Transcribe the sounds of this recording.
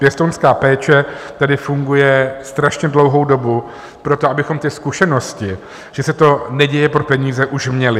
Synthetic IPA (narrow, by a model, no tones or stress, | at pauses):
pjɛst̪onskaːpɛːt͡ʃɛt̪adɪfuŋɡujɛst̪ɾaʃɲɛdlo̞wɦo̞wdo̞bu | pɾo̞t̪oʔabɪxo̞mt̪ɪskuʃɛno̞scɪ | ʒ̥ɛsɛt̪o̞nɛɟɛjɛpɾopɛɲiːzɛʔuʃmɲɛlɪ